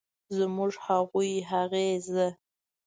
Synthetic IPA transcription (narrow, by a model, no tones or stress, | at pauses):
zmʊʐhaɣujɦaɣezə